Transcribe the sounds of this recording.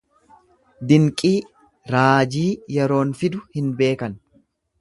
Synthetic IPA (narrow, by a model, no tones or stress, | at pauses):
d̪ɪŋkʼiː | ɾaːd͡ʒiːjɛɾo̞ːnfɪd̪ʊhɪnbe̞ːkɐn